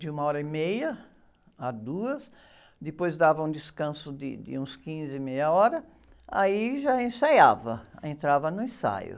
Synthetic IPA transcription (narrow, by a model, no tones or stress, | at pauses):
d͡ʒ̪ɪũmɐɔɾɐimejɐ | ad̪uɐs | d̪ɪpojzd̪avɐũd̪ɪskɐ̃sʊd̪ɪ̰d̪ɪ̰ũskĩzɪmejɐɔɾɐ | aiʒaẽsajavɐẽnt̪ɾavɐnʊẽsa̰jʊ̰